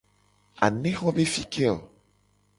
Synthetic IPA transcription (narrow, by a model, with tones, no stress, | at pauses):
a̰˨nẽ˦xɔ̃˦be˦fi˦kʰe˦˨l